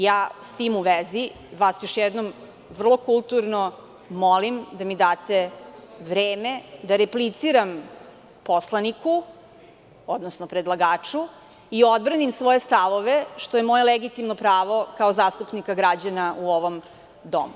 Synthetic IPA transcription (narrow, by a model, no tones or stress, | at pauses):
jaːst̪imuʋezi | ʋaːsjoʃjɛd̪nom | ʋr̩lˠo̞kulˠt̪uɾno | molimd̪amid̪aːt̪eʋɾeːmed̪aɾeplit̪siɾam | poslˠaniku | od̪nosnopɾed̪lˠaɡaːt͡ʂu | io̞d̪̚bɾanimsʋoje̞st̪aʋoʋeʃt̪ojemojeleɡit̪imnopɾaːʋo̞kaozaːst̪upnikaɡɾad͡ʑanaʔuoʋom | d̪o̰mu